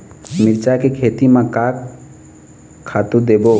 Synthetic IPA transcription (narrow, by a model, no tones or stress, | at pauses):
miɾt͡ʃakekʰet̪imãkak | at̪ud̪ebo